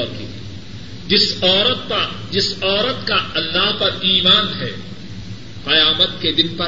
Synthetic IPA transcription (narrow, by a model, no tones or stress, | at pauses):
kḭ | d͡ʒɪsɔːɾət̪pd͡ʒɪsɔːɾət̪kaɐlːaɦpɐɾiːmaːnɦɛː | qɐjaːmət̪ked̪ɪnpɐ